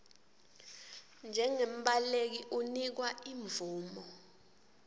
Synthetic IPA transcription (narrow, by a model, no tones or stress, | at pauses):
nd͡ʒʱɛŋem̩ɓalek̬iʔunik̬waiɱvuːmɔ